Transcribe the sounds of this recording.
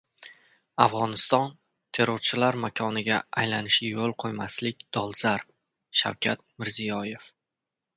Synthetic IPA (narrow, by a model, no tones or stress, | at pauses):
afʁɒnɪst̪ɒn | t̪ʰe̞ɾoɾt͡ʃʰɪlaɾmakʰɒnɪɡʲaajlanɪʃɪjolˠqʰojmaslɪk̚ʲd̪̥ɒlˠzaɾ | ʃa̰wkʲʰat̪̚mɪɾzijɒje̞f